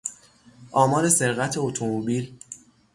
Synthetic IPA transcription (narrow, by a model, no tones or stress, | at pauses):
ʔɒːmɒːɾe̞se̞ɾɣæt̪ʰe̞ot̪ʰomobiːl